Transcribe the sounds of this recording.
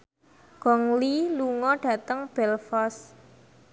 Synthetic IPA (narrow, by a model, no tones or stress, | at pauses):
ɡ̥ɔŋliluŋɔɖ̥ä̤t̪əŋb̥ɛlfɔs